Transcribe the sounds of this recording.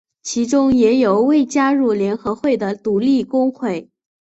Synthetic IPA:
t͡ɕʰi˧˥ʈ͡ʂʊ˥ŋjɛ˧˥jo˨˩ʊwe˥˩ɪt͡ɕja˥ɻu˥˩ljɛ˧˥nxɤ˧˥xwe˥˩ɪd̪ə˩t̪u˧˥li˥˩kʊ˥ŋxwe˥˩ɪ

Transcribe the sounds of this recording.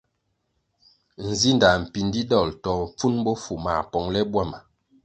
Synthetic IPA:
n̩˨zi˦nda˨m̩˨pi˨n˦di˦dɔ˦˨ltɔ˨m̩˨p͡fu˦nbɔ˦fu˨ma̰˨pɔ˨˦ŋlɛ˦bwa˦˨ma˨

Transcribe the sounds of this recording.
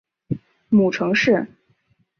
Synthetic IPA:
mu˨˩ʈ͡ʂʰɤ˧˥ŋʂɻ̩˥˩

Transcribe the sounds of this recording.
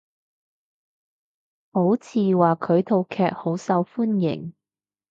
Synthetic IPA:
ho˨˥wt͡sʰiː˨˧waː˨kʰɵ˨˧ɥt̪ʰo˨wkʰɛː˧k̚ho˨˥wsɐ˨˧wfuː˥njɪ̰˨˩ŋ

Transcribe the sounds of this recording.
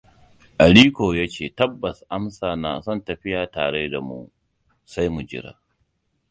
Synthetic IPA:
ʔa˨ɽiː˦kʷoː˨jaː˦t͡ʃeː˦˨tɐ˦bːɐ˨sʔa˦msaː˨naː˨sɔ˦˨ntɐ˨ɸɪ˦jaː˨taː˨ɽe˦da˨mṵ˦ | sa˦jmu˨d͡ʒɪ̰˦ɽa̰ː˨

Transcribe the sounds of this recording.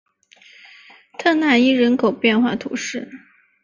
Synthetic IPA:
t̪ʰɤ˥˧na˥˩i˥˩ɻə˧˥nkʰo˨˩ʊpjɛ˥˧nxwa̰˥˩t̪ʰṵ˧˥ʂɻ̩˥˩

